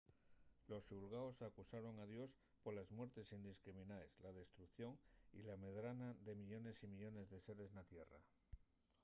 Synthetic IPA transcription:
lo̞sulɣaosakusaɾo̞ŋaðjo̞s | po̞ɾlazmwe̞ɾt̪e̞sind̪iskɾimĩnaeslað̞e̞st̪ɾukθjo̞ŋḭlame̞ðɾanaðe̞miʎo̞ne̞simiʎo̞ne̞zðe̞se̞ɾe̞znat̪je̞ra̰

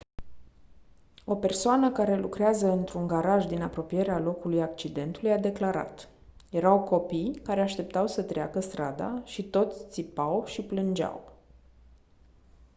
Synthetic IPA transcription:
o̞pe̞rsoanəkaɾe̞lukɾeazəɨnt̪ɾuŋɡaɾaʒd̪inapɾo̞pije̞ɾealo̞kulujak̚t͡ʃid̪e̞nt̪ulujad̪e̞klaɾa̰t̪ | je̞ɾawko̞pijkaɾe̞aʃt̪e̞p̚t̪awsət̪ɾea̰kəst̪ɾad̪a̰ʃit̪o̞t̪sʲt̪sipawʃiplɨnd͡ʒa̰w

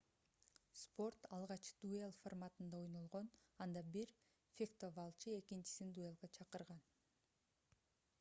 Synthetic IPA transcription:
spo̞rt̪ɑlˠʁɑt͡ʃd̪̥uelˠformat̪ɯnd̪ɑo̞jno̞lˠʁonɑnd̪ɑbiɾ | fʲekt̪ovalˠt͡ʃie̞kint͡ʃi̥sind̪uelˠɡɑt͡ʃʰɑqɯɾʁɑn

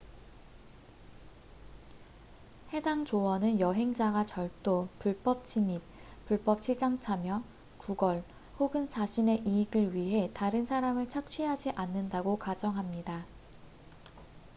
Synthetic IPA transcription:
he̞daŋt͡ɕoʌnɯnjʌɦe̞ŋd͡ʑaɡat͡ɕʌɭt͈opuɭp͈ʌp̚t͡ɕ͈imip̚puɭp͈ʌp̚ɕʰid͡ʑaŋt͡ɕʰamjʌ | kuɡʌɭ | hoɡɯnt͡ɕaɕʰine̞ʔiːɡɯɭɥiɦe̞taɾɯnsʰaɾamɯɭt͡ɕʰak̚t͡ɕʰɥiɦad͡ʑiʔanːɯndaɡokad͡ʑʌŋɦamɲida

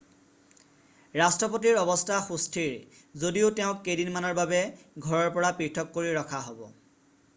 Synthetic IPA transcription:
ɹastɹɔpot̬iɹɔbɔstʰaxustʰiɹ | zodioteʊ̃kːejdinmanɔɹbabɛɡʱɔɹɔɹpɔɹapɹiɹtʰɔkːoɹiɹɔkʰaɦobɔ̰

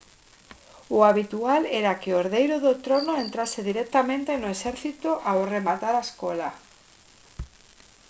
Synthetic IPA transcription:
uaβit̪ualeɾakeoɾðejɾoðot̪ɾonoẽnt̪ɾaseðiɾek̚t̪amẽnt̪enoesɛɾθit̪oʔaworemat̪aɾaeskola

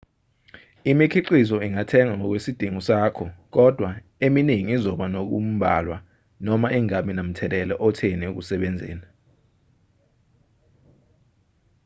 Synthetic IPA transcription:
imikʰiǃizɔiŋatʰɛŋaŋɔk̬wesid̥ʱiŋusaːkʰɔk̬ɔd̥ʱwa | eminiŋiːzɔɓanok̬ṵm̩ɓʱa̰lwa | nɔmaʔiŋaminam̩tʰɛlɛlɛʔɔtʰɛnɛuk̬usɛɓɛnd͡zʱɛ̰ːna

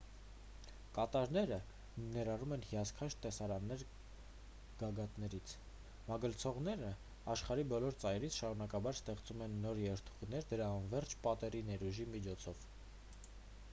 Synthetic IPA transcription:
kɑt̪ɑɾnɛɾə | nɛɾɑrumɛnhiɑskʰɑʃʰt̪ɛsɑɾɑnːɛɾ | ɡ̥ɑɡɑt̪nɛɾit͡sʰ | mɑɡəlt͡sʰɔʁnɛɾə | ɑʃχɑɾibɔlɔɾt͡sɑjɾit͡sʰʃɑɾunɑkɑbɑɾst̪ɛχt͡sumɛnːɔɾjɛɾt̪ʰu̥ʁnɛɾd̪əɾɑnvɛrt͡ʃʰpɑt̪ɛɾinɛɾuʒimit͡ʃʰɔt͡sʰɔv

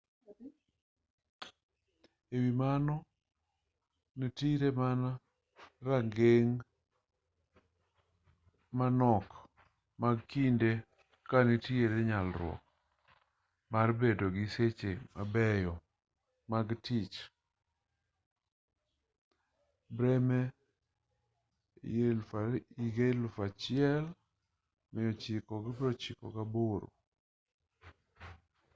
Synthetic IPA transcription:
ewimanɔ | nitiɾemana | raŋɡeŋ | manɔk | maɡ̚kinde | kanitieɾeɲalɾwɔ̰k̚ | marbedoɡɪset͡ʃemabɛjɔ | maɡtɪt͡ʃ | bɾɛmɛ | elfaiɡelfat͡ʃɪɛl | mɪjɔt͡ʃɪkɔɡbɾɔt͡ʃɪkɔ̰kaboɾo̰

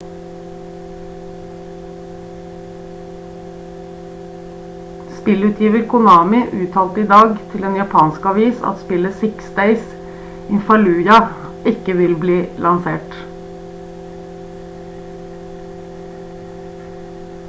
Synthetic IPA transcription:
spɪlʉːt̪ʰjiːʋəɾkʰʊnɑːmɪʔʉːt̪ʰɑːlt̪əiːd̪ɑːɡt̪ʰɪleːnjɑpʰɑːnskɑʋiːsɑ̰t̪spɪləsɪksd̪eɪs | ɪnfɑlʉːjɑ | ɪkəʋɪlbliːlɑnsḛːʈ

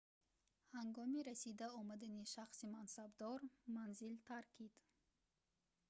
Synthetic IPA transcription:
haŋɡɔmiɾasid̪aɔmad̪aniʃaχsimansabd̪ɔɾmanzilt̪ʰaɾkʰid̪̥

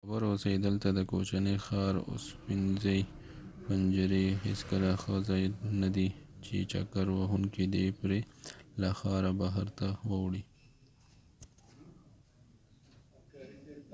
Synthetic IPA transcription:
abəɾoseid̪əlt̪ad̪əko̰t͡ʃanexɑːɾʊ̰spɪnzaj | pand͡ʒəɾiɦɪ̰skəlaxəzajnad̪it͡ʃḛt͡ʃa̰kaɾwaɦunkid̪epɾelaxaːɾabaɦaɾt̪awawɽi

